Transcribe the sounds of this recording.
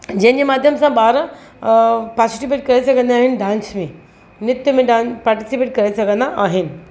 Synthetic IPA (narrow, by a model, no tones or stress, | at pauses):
d͡ʑẽɦnd͡ʑemaːd̪ʱjəmsãɓaːɾ | paːsiʈip̬eːʈ̚kɐɾesɐɡʱə̃nd̪aːɦɪnɖãːnsmẽ | nɪt̪jumẽɖãːnpaːɾʈisipeːʈ̚kɐɾesɐɡə̃nd̪aʔaːɦɪn